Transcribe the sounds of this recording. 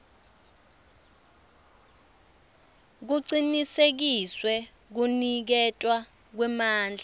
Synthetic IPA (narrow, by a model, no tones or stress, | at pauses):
k̬uǀinisek̬iswɛ | k̬unik̬ɛtʼwa | k̬wɛmaːnd͡ɮʱa